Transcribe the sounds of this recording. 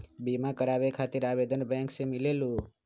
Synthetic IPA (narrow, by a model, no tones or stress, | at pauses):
bimãkəɽaʋekʰat̪iɾaʋed̪ənbɛ̃ŋksemilelũ